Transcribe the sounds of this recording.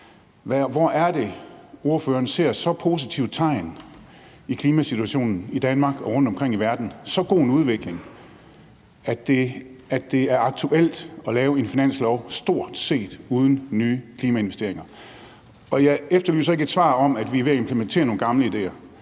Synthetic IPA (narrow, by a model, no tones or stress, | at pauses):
ʋæʋɒæɐd̥e̝o̝ɐføːɐːnse̝ɐ̰sɒ̽pʰo̝s̬it͡sʰiʊ̰̥t͡sʰɑ̈ɪn | ikʰliːmæsit͡sʰuæɕo̝̰ːnn̩id̥ænmɑ̈ːɡ̥ɒ̽ʁɔ̽n̰d̥ɒ̽mkʰʁeŋ̰iʋæɐd̥n̩sɒ̽ɡ̥o̝̰ːnuð̞ˠʋeɡ̥le̝ŋ | æd̥e̝ædd̥e̝æɐɑ̈ɡ̥̚t͡sʰuʔel̰d̥ɒ̽lɛːʊe̝nfinæn̰slɒʊsd̥o̝ɐ̰d̥se̝̰ːd̥uð̞ˠən̩nyːkʰliːmæe̝nʋesd̥e̝ɐe̝ŋɐ | ɒ̽jɑ̈ɪefd̥ɐly̰ːsɐe̝ɡ̥ed̥sʋɑ̰̈ːɒ̽mæd̥ʋiʋe̝æe̝mpʰləment͡sʰe̝̰ːɐno̝ːn̩ɡ̥ɑ̈mləid̥e̝̰ːɐ